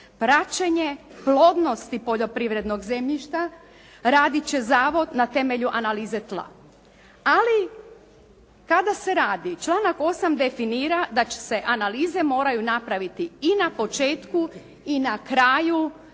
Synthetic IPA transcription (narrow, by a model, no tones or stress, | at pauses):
pɾat͡ʃeɲeplˠo̞d̪no̞st̪ipo̞ʎo̞pɾiʋɾe̞d̪no̞ɡze̞mʎiʃt̪a | ɾaːd̪it͡ɕe̞zaːʋo̞d̪nat̪e̞me̞ʎuʔanaliːzet̪lˠa̰ | ali | kad̪ase̞ɾaːd̪it͡ʃlˠaːnako̞samd̪e̞finiːɾad̪at͡ɕe̥se̞ʔanaliːze̞mo̞ːɾajunapɾaʋit̪iinapo̞t͡ʃeːt̪ku | inakɾaːju